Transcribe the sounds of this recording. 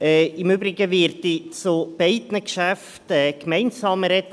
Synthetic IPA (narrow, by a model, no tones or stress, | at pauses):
ɛɪmøbɾɪɡəvɪɾtit͡sob̥ɛɪdnəkʃæf | tɛkmɛɪnsɑːməɾɛt̪